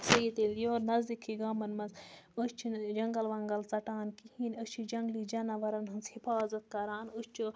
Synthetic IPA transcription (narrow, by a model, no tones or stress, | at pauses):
sɐit̪eljoːɾnɐzd̪ikʰːiɡaːmɐnmɐsust͡ʃʰid͡ʒɐŋɡɐlʋɐŋɡɐlt͡sɐʈaːnkihiːnɐst͡ʃʰid͡ʒɐŋɡliːd͡ʒɐnɐʋɐɾɐnɦɨnt͡shifaːzɐt̪̚kɐɾaːnust͡ʃʰu